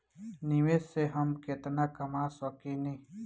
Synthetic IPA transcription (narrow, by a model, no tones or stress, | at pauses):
niʋeseɦɐmkɪt̪nakɐmasəkinĩ